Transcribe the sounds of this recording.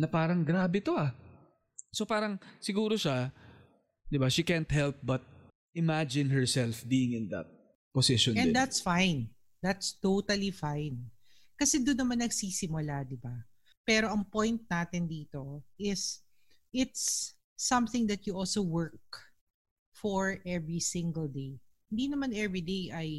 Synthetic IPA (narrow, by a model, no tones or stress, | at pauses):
nɐpaːɾɐŋɡɾaːbɛt̪o̞ʔa | sopaːɾɐŋsɪɡuːɾoʃa | d̪ɪbaʃikɛnt̪hɛlp̚bɐt̪̚ | ʔɪmad͡ʒɪ̃nɦɛɹsɛlfbiːɪŋɪ̃nd̪ɐ̰t̪̚ | posɪʃɔnɛ̃nd̪at̪sfajn | d̪at̪st̪ot̪ɐlifajn | kɐsɛd̪onːɐmanːɐɡsisɪmʊlad̪ɪba | pɛːɾo̞ʔɐŋpɔ̃jnt̪̚naːt̪ɪnd̪iːt̪o̞ʔɪs | ʔɪt̪sː | ɐ̃mθɪ̃ŋd̪ɐt̪̚jʊʔɔlsowɜɹk̚ | fɔɹʔɛvɹisɪ̃ŋɡəld̪ej | hɪnd̪inɐmanʔɛvɹid̪ejʔɐj